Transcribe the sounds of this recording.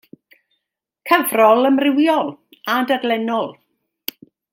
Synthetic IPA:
kʰəvrɔlˠəmrɪwjɔlˠ | adadlɛnɔlˠ

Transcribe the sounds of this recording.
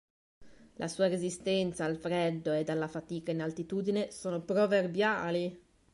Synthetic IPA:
lʔa̰suːaɾezist̪ɛnt̪saːlfɾɛd̪ːoed̪alːafat̪iːkainalt̪it̪uːd̪inesoːnopɾoverbja̰ːli

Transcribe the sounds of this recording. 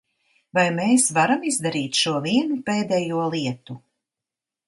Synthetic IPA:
vajmeːsvaɾamizd̪aɾiːt̪ʃuɔviɛnupeːd̪ɛjuɔlˠiɛt̪u

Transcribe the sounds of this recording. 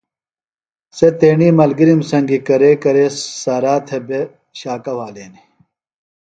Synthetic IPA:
set̪eːɳiːmɐlɡiɾimsɐŋɡikɐɾeːkɐɾesaːɾaːt̪ʰebe | ɕaːkɐwaːleːni

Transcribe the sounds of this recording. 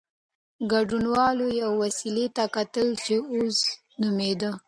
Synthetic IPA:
ɡaɖunwɑlojawwasilet̪akat̪əlt͡ʃeos | nʊmed̪ə

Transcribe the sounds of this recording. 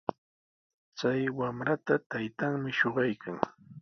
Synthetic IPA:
t͡sajwamɾat̪at̪ajt̪aŋmɪʃoɢɑjkʰaŋ

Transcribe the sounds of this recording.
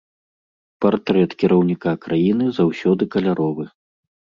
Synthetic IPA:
part̪ɾɛt̪kʲiɾɐwnʲikakɾajinɨzawsʲɔd̪ɨkɐlʲaɾʔɔvɨ

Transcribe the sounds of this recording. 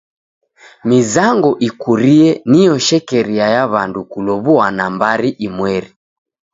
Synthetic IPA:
mizaŋɡɔʔikuɾiɛnijɔʃɛkɛɾiajaβandukulɔβuanambaɾiʔimwɛɾi

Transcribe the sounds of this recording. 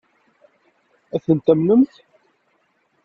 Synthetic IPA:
æθənt̪æmnəmθ

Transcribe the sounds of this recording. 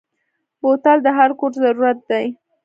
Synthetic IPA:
bot̪ald̪əɦaɾkoɾzaɾuɾat̪̚d̪aj

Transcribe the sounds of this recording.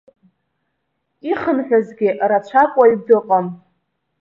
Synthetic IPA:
iχənħʷᶣazɡʲɪʔrat͡ʃʷʰakʷʼaidɨqʼam

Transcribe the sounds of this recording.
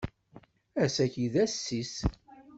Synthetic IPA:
æsæçiðæsːis

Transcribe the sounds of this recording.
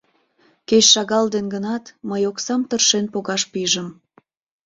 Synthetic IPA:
ket͡ɕʃɑɣɑld̪enɡənɑt̪məjoksɑmt̪ərʃenpoɣɑʃpiʒəm

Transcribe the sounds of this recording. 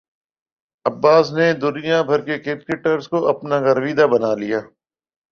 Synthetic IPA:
ɐbːaːsned̪ʊnijabʱɐɾkekɪp̚kɪʈəɾzkoʔɐpnaɣɐɾʋiːd̪abɐnaːlijaː

